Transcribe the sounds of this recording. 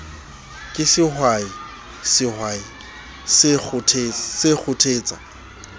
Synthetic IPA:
kʼɪsɪhwai | sɪhwai | sɪk͡xʊtʰesɪk͡xʰʊtʰeːt͡sʼa̰

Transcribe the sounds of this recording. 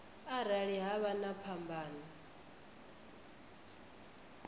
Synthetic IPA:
aɾaɺiɦaβanapʰambʱaːna

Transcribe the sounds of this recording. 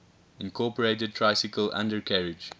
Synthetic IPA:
ɪ̃nkʰɔːpəɹeɪtəd̚tʰɹaɪsɪkəlʔã̰ndəɹkʰaɹɪd͡ʒ

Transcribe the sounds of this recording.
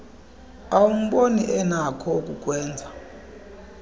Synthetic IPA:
awum̩ɓoniʔɛnakʰɔk̬ʼuk̬ʼwɛːnd͡zʱa

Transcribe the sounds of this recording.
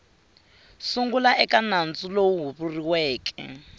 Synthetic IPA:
suŋɡulaɛkanand͡zʼulowuɦuβuriwɛːkʰʼɛ̰

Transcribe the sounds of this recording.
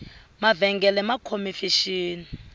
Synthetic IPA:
mavɛŋɡɛlɛmakʰomifiʃiːni

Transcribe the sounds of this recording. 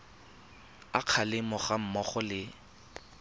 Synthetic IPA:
aq͡χʰalɪmʊχam̩mɔχɔlɪ

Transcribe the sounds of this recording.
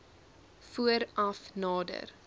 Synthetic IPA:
fuəɾɐfnɑːdə̰r

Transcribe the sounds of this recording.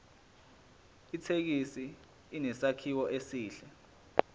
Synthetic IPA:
itʰek̬isiː | nɛsakʰiwɔʔesiːɬɛ

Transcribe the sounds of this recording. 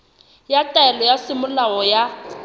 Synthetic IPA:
jatʼaɛlɔjasɪmʊlaɔja

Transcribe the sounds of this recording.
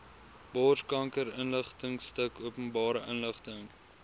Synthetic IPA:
bɔːskɐŋkəɾənləχtəŋstəkuəpənbɑːɾəʔənləχtəŋ

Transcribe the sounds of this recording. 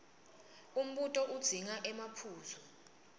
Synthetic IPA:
um̩ɓutʼɔʔud̥z̥ʱiŋaʔɛmapʰuːzɔ

